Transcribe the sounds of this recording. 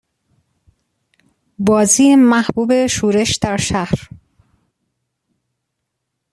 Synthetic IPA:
bɒːziːemæhb̥uːbe̞ʃuːɾe̞ʃd̪æɾʃæhɾ

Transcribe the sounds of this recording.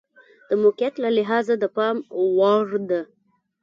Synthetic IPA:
d̪̥əmoqijat̪lalɪɦɑzad̪əpɑmwɑɾd̪a

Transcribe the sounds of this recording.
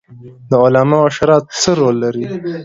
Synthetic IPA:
d̪əolɑmaaʃaɾɑt̪̚səɾolːaɾi

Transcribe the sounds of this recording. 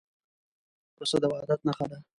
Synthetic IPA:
ɾosad̪əwɑd̪at̪̚naxad̪a

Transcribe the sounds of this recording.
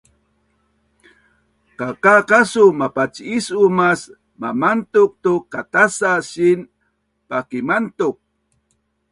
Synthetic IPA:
kakakasumapat͡ʃiisumas | mamant̪uk̚t̪ukːat̪asasin | pakimant̪uk̚

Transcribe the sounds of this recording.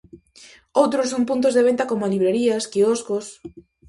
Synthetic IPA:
owt̪ɾosoŋpunt̪̬ozðeβ̞ent̪akomoaliβɾeɾiaskiɔskos

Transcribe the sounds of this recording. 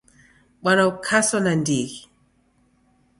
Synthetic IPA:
ɓwanaukʰasanandiɣi

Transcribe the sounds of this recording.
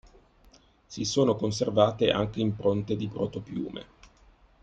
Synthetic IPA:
sisoːnokons̬ervaːt̪eʔa̰ŋk̟eimpɾont̪ed̪ipɾot̪opjṵːmʔḛ

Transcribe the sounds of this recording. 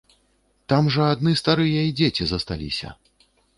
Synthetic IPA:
t̪amʐɐad̪nɨst̪aɾɨjɐid͡zʲet͡sʲizɐst̪a̰lʲḭsʲɐ̰

